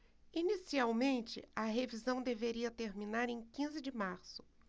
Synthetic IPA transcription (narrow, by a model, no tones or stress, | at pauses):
inisiawmẽnt͡ʃɪ̰ɐɦevizɐ̃w̃d̪eveɾiɐt̪eɾminaɾẽj̃kĩzɪd͡ʒɪmaɾsʊ̥